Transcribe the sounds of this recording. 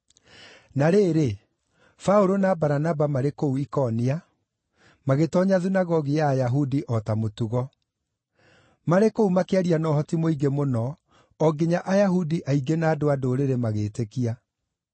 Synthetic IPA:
naɾeːɾe | faoɾonabaɾanabamaɾekouikɔnia | maɣetɔɲaðinaɣɔɣijaːjaɦudiʔɔtamotuɣɔ | maɾekoumakeaɾianɔɦɔtimoiɡemonɔ | ɔɡeɲaʔajaɦudiʔaiɡenaːdoadoɾeɾemaɣeːtekia

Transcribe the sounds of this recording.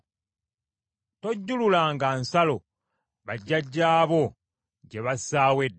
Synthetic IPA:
to̞ɟːululaŋɡansalo̞ | βaɟːaɟːaːβo̞ | ɟe̞βasaːwed

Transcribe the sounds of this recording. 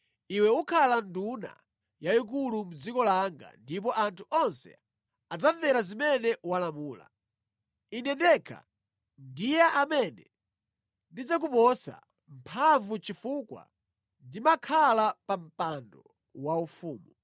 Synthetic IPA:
iwɛukʰalanduna̰ | jaik̬ulum̩d͡zikɔlaŋɡa̰ndip̬ɔʔantʰu̥ʔɔnsɛ̰ | ad͡zaɱvɛɾazimɛnɛwalamuːla̰ | inɛndɛkʰa̰ | ndijɛʔamɛnɛ | ndid͡zak̬upɔsa̰ | m̩pʰaɱvut͡ʃifukwa̰ | ndimakʰalapam̩pandɔ | waufuːmu

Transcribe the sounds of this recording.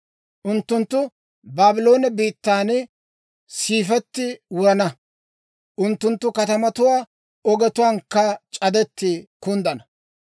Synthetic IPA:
ʔʊnt̪ːʊnt̪ːʊ | baːbɪlo̞ːnɛbiːt̪ːaːn | siːfɛt̪ːɪwʊɾɐnɐ | ʔʊnt̪ːʊnt̪ːʊkɐt̪ɐmɐt̪ʊwaː | ɔɡɛt̪ʊwaːŋkːɐt͡ʃʼɐd̪ɛt̪ːɪkʊnd̪ɐnɐ

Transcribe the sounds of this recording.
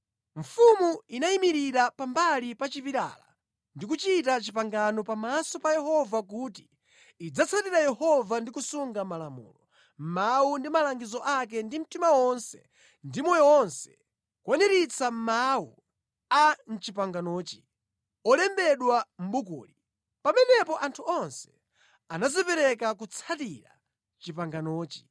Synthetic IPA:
ɱ̩fumuinaimiɾiɾapambalipat͡ʃipiɾa̰ːla̰ | ndik̬ut͡ʃitat͡ʃipaŋɡanɔpamasɔpajɛhɔvak̬uːt̬iː | d͡zat͡sʰatiɾajɛhɔvandikusuŋɡamalamṵːlɔ | m̩maundimalaŋɡizɔʔak̬ɛndim̩timawɔnsɛ | ndimɔjɔɔnsɛ̥ | kwanɛɾit͡sʰam̩mau | an̩t͡ʃipaŋɡanɔːt͡ʃi̥ | ɔlɛmbɛɗwam̩bukṵːli | pamɛnɛpɔʔantʰuɔnsɛ̥ | anazipɛɾɛkak̬ut͡sʰatiɾa | t͡ʃipaŋɡanɔːt͡ʃi̥

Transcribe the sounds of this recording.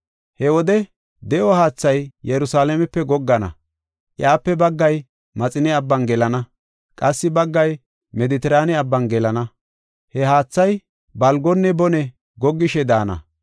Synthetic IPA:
hɛwɔd̪ɛ | d̪ɛʔɔhaːt͡sːɐjjɛɾʊsaːlɛmɛpːɛɡɔɡːɐnɐ̰ | ʔɪ̰aːpːɛbɐɡːɐj | mɐt͡sʼɪnɛɐbːɐnɡɛlɐnɐ | kʼɐsːɪbɐɡːɐj | mɛd̪ɪt̪ɛɾaːnɛɐbːɐnɡɛlɐnɐ | hɛhaːt͡sːɐj | bɐlɡɔnːɛbɔnɛ | ɡɔɡːɪʃɛd̪aːnɐ̰

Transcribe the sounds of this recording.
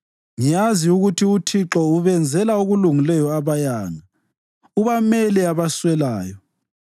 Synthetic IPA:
ŋijaziuɣutʰiutʰiǁɔuβɛnd͡zʱɛlauɣuluŋilɛjɔaβajaːŋa | uβamɛliaβaswɛlaːjɔ

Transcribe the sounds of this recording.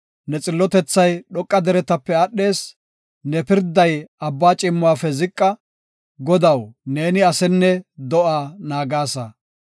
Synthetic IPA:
nɛt͡sʼɪlːɔt̪ɛt͡sːɐjɗɔkʼːɐd̪ɛɾɛt̪ɐpːɛɐɗːe̞ːs | nɛpɪɾd̪ɐjɐbːaːt͡ʃʼɪmːʊaːfɛzɪkʼːɐ | ɡɔd̪ɐwne̞ːnɪɐsɛnːɛd̪ɔʔaːnaːɡaːsɐ

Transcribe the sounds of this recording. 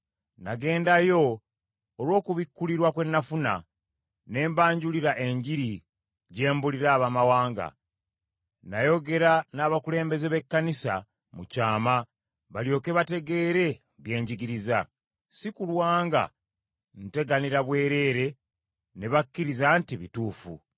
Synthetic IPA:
naɡe̞ːndajo̞ː | lwo̞ːkuβikːuliɾwakwe̞nːafuna̰ | ne̞ːmbaːɲɟuliɾaʔe̞ɲɟiɾi | ɟe̞ːmbuliɾaːβamawaːŋɡa̰ | najo̞ɡe̞ɾanaːβakule̞ːmbe̞zeβe̞kːanisa̰ | mucaːma | βaljo̞ːke̞βate̞ɡe̞ːɾe̞ | βje̞ːɲɟiɡiɾiza | sikulwaːŋɡa̰ | n̩te̞ɡaniɾaβwe̞ːɾe̞ːɾe̞ | ne̞βakːiɾizaːntiβituːfṵ

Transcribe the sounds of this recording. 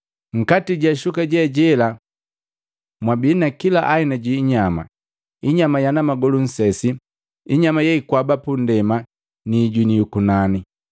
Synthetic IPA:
ŋ̩katiɟaʃukaɟɛɟɛla | mwabinakilaʔainaɟiːɲama̰ | iɲamajanamaɡɔlun̩sɛsi | iɲamajaikwabapundɛma | niːɟinijukunani

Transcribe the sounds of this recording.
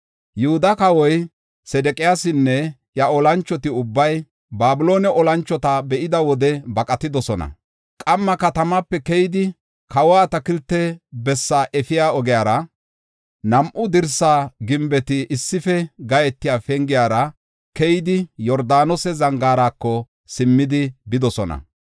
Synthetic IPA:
jʊhʊd̪ɐkɐwɔj | sɛd̪ɛkʼɪjaːsɪnːɛ | jɐɔlɐnt͡ʃːɔt̪ɪʊbːɐj | baːbʊloːnɛʔɔlɐnt͡ʃːɔt̪ɐbɛʔɪd̪ɐwɔd̪ɛbɐkʼɐt̪ɪd̪ɔsɔnɐ̰ | kʼɐmːɐkɐt̪ɐmapːɛkɛjd̪ɪ | kʰɐwaːt̪ɐkɪlt̪ːɛbɛsːaʔɛfɪjaːɔɡɛjaːɾɐ | nɐmʔʊd̪ɪɾsaːɡɪmbɛt̪ɪʔɪsːɪfɛɡɐjɛt̪ːɪjaːfɛŋɡɪjaːɾɐ | kɛjɪd̪ɪjɔɾd̪aːnɔsɛzɐŋɡaːɾaːkːɔ | sɪmːɪd̪ɪbɪd̪ɔsɔnɐ̰

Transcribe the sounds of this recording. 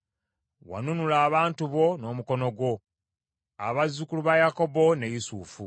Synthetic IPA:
wa̰nunulaːβaːntuβo̞no̞ːmuko̞no̞ɡwo̞ | a̰βazːukuluβajako̞bo̞ne̞jisuːfṵ

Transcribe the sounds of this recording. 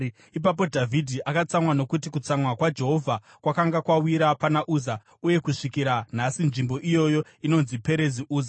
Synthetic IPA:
ip̬apo̞dʱavʱidʱiʔakat͡samwano̞kut̬ikut͡samwakwad͡ʒe̞ɦo̞vʱa | kwakaŋɡakwawiɾapanaʔuːza | uje̞kuʂikiɾan̤asinʐimbo̞ʔijo̞jo̞ | ino̞nzipe̞ɾe̞ziʔuːza

